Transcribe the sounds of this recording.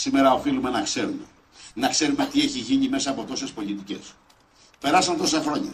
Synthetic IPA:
sime̞ɾɐo̞filume̞nɐkse̞ɾume | nɐkse̞ɾumet̪ie̞çiʝiɲime̞sɐːpo̞t̪o̞se̞spo̞lit̪ice̞̰s | pe̞ɾɐsɐnt̪o̞sɐxɾo̞ɲɐ̰

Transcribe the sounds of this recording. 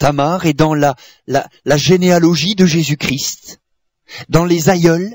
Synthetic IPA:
t̪amaʁed̪ɑ̃la | la | laʒenealɔʒid̪əʒezykχist̪ | d̪ɑ̃lezajœl

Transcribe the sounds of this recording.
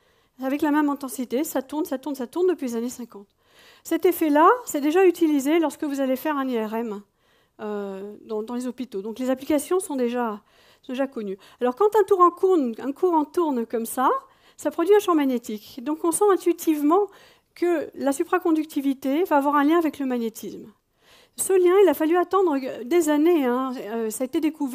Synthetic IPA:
avɛklamɛmɛ̃t̪ɑ̃sit̪esat̪uʁnsat̪uʁnsat̪uʁnd̪əpɥilezanesɛ̃kɑ̃t̪ | sɛt̪efɛlasɛd̪eʒayt̪ilizelɔʁskəvuzalefɛʁɛ̃niɛʁɛm | ød̪ɑ̃d̪ɑ̃lezɔpit̪od̪ɔ̃klezaplikasjɔ̃sɔ̃d̪eʒa | sɔ̃d̪eʒakɔny | alɔʁkɑ̃t̪ɛ̃t̪uʁɑ̃kuʁnɛ̃kʰuʁɑ̃t̪uʁnkɔmsa | sapχɔd̪ɥiɛ̃ʃɑ̃maɲet̪ikd̪ɔ̃kɔ̃sɑ̃ɛ̃t̪ɥit̪ʰivmɑ̃ | kəlasypχakɔ̃d̪yk̚t̪ivit̪evaːvwaʁɛ̃ljɛ̃avɛkləmaɲet̪ʰism | səljɛ̃ilafalyat̪ɑ̃d̪ʁəd̪ezaneɛ̃øsaet̪ed̪ekuv

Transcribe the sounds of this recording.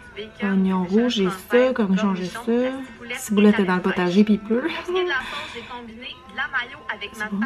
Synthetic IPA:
kãniɔ̃ʁuʒesɔkɑʁniʃɑ̃ʒesɔsivulat̪ɛd̪ɑ̃ləpɔt̪aʒepipø

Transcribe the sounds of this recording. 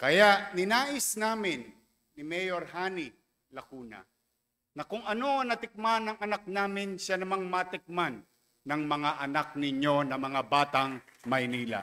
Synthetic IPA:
kɐjaʔnɪnaːʔɪsnaːmɪnː | ɪmɛjoɾhaːnɪ | lɐkuːnɐ̰ | nɐkʊŋɐno̞ɐnɐt̪ɪk̚manːɐŋɐnak̚naːmɪnʃanɐmaŋmat̪ɪk̚manː | ɐŋmɐŋaʔɐnak̚nɪɲjo̞nɐmɐŋabaːt̪aŋmɐjniːla̰

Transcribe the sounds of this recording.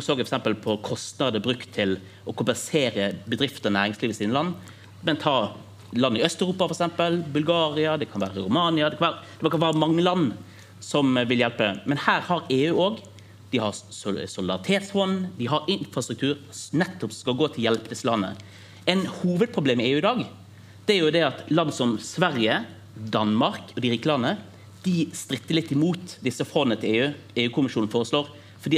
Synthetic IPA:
ʊsøːɡfɔɾksɛmpəlpʰɔkʰɔst̪nɑd̪əbɾʉkt̪ʰːɪl | ɔkʰʊmpɛnseːɾəbəd̪ɾɪft̪ənæːɾɪŋsliːʋəsiːnəlɑnː | mɛnt̪ʰɑː | lɑnːəɪœst̪œʉɾuːpɑfɔɾɛksɛmpəlbʉlɡɑːɾɪɑd̪ɛkʰɑnʋæːɾəɾʊmɑːnɪɑd̪ɛkʰɑnʋæːɾəd̪̥ɛɔkʰɑnʋæːɾəmɑŋːəlɑnː | sɔmʋɪljɛlpəmɛnhæːɾhɑɾeːʉːoːɡ | d̪̥ɪhɑɾsʊlɪd̪ɑ̰ʁɪt̪ʰeːt̪sfɔnd̪ɪɦɑɾɪnfɾɑst̪ɾʉk̚t̪ʰʉːɾnɛt̪ːɔpsɔkɑlɡoːt̪ʰɪljɛlpəd̪ɪsːəlɑnːə̰ | ɛɪnhuːʋəd̪̚pʰʁʊbleːmːɛeːʉːɪd̪ɑːɡ | d̪̥ɛæɾjʊd̪ɛɑt̪lɑnːəsɔmsʋæɾjə | d̪ɑnmɑʁkɔd̪ɪɾiːkəlɑnːə | d̪̥ɪst̪ɾɪt̪ːəɾlɪt̪ːɪmuːt̪d̪ɪsːəfɾɔnənət̪ʰɪleːʉː | eːʉːkʰʊmɪʃuːnn̩foːʁəsloːʁ | fɔɾd̪iː

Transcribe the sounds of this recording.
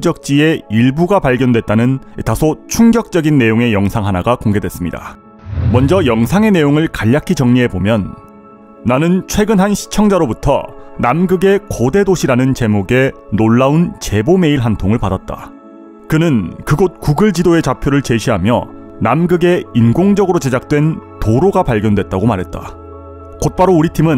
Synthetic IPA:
d͡ʑʌk̚t͡ɕ͈ie̞iɭbuɡapaʎɡjʌndwe̞t̚t͈anɯnitʰasʰot͡ɕʰuŋɡjʌk̚t͡ɕ͈ʌɡinːe̞joŋe̞jʌŋsʰaŋɦanaɡakoŋɡe̞dwe̞s͈ɯmɲḭda̰ | mʌnd͡ʑʌjʌŋsʰaŋe̞ne̞joŋɯɭkaʎːakʰit͡ɕʌŋɲiɦe̞bomjʌnː | anɯnt͡ɕʰwe̞ɡɯnɦanɕʰi̥t͡ɕʰʌŋd͡ʑaɾobutʰʌ̰namɡɯɡe̞kode̞doɕʰiɾanɯnt͡ɕe̞moɡe̞noɭːaunt͡ɕe̞bome̞iɭɦantʰoŋɯɭpadat̚t͈a̰ | kɯnɯnkɯɡot̚kuɡɯɭd͡ʑidoe̞t͡ɕapʰjoɾɯɭt͡ɕe̞ɕʰiɦamjʌ | namɡɯɡe̞inɡoŋd͡ʑʌɡɯɾot͡ɕe̞d͡ʑak̚t͈we̞ntoɾoɡapaʎɡjʌndwe̞t̚t͈aɡomaɾɦe̞t̚t͈a̰ | kot̚p͈aɾouɾitʰimɯn

